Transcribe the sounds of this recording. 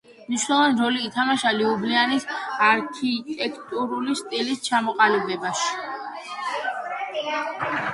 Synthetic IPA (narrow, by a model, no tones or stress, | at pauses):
mniʃwnɛlɔvaniɾɔliːt̪ʰamaʃaliublianisaɾkʰit̪ʼɛkʰt̪ʼuɾulist̪ʼilist͡ʃʰamɔqʼalɛblɛbaʃi̥